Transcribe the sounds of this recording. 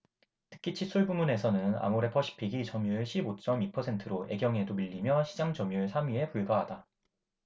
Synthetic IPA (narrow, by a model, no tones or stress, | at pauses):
tʰɯ̥kʰit͡ɕʰis͈ʰuɭbumune̞sʰʌnɯna̰muɾe̞pʰʌɕʰi̥pʰiɡit͡ɕʌmjuɕʰibot͡ɕ͈ʌmipʰʌsʰe̞ntʰɯɾoe̞̰ɡjʌŋe̞domiʎːimjʌɕʰid͡ʑaŋd͡ʑʌmjuɭsʰamɥie̞puɭɡaɦada